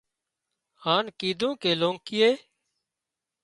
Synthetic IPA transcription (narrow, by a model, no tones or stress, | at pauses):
haːnkiːd̪ʱũːkeːlõːŋkɪːeː